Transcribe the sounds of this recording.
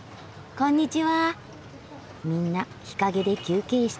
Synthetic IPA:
kõ̞ɲ̟ːit͡ɕiβa | mʲĩnːa | çi̥kaɡe̞d̪e̞kʲɨːke̞ːɕi̥t

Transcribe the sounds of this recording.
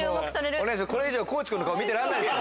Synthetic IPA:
ookɯ̥saɾeɾɯneɕ̬ako̞ɾe̞iʑo̞ːko̞ːt͡ɕi̥kɯnokaomʲit̪eɾanb̪eɾ

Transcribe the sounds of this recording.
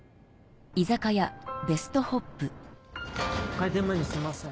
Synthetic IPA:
izakajabe̞sɨ̥t̪o̞ho̞pːɯ̟ | kaid̪emaɲisemasẽ

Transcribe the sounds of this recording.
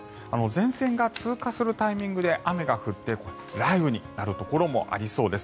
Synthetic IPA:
ano̞zẽ̞ɰ̃sẽ̞ŋɡat͡sɨːkasɨɾɯ̟t̪aimʲĩŋɡɯ̟d̪e̞ʔame̞ɡaɸɯ̟t̪ːe̞ko | ɾaibɯ̟ɲ̟inaɾɯ̟t̪o̞ko̞ɾo̞mo̞̰ʔa̰ɾʲiso̞ːd̪e̞s

